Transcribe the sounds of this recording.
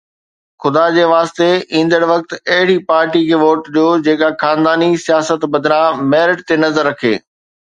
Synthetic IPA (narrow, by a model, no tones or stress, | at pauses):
xʊd̪ad͡ʑeːʋaːst̪eĩːn̆d̪əɽʋɐk̚t̪ɐɦɪɽipaːɾʈikʰeːʋoːʈɗijod͡ʑeːkaxaːnd̪aːnisijaːsət̪bɐd̪ʱɾãmɛːɾɪʈt̪enɐzəɾːɐkʰḛː